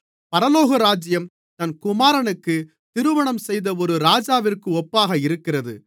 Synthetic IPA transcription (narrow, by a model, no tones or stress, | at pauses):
pɐɾɐloːɣɐɾaːd͡ʒɪjɐm | t̪ɐnkʊmaːɾɐɳɯkːɯ | t̪ɪɾɯʋɐɳɐmsɛjðɐɔɾɯɾaːd͡ʒaːʋɪrkɯɔpːaːɣɐɪɾɯkːɪrɐðɯ̰